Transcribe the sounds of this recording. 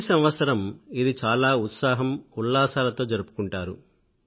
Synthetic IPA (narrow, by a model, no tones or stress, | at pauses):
sɐmʋɐt̪sɐɾɐmid̪it͡ʃaːlaːut̪saːɦɐmuɭːaːsaːlɐt̪o̞ːd͡ʒɐɾupu̥kuɳʈaːɾṵ